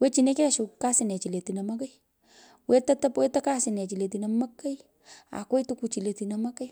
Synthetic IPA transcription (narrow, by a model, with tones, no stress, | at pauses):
we˦t͡ʃi˨ne˦kɛ˦ʃu˨ka˦sɪ˨nɛ˨t͡ʃi˨le˨ti˨na˨mɐ˦ka˦j | we˦ta˦ta˦pwe˦ta˦ka˦sɪ˨nɛ˨t͡ʃi˨le˨t̬i˨na˨ma˦ka˦j | a̰˨kwe˦tu˦ku˨t͡ʃi˨le˨ti˨nama˦ka˦j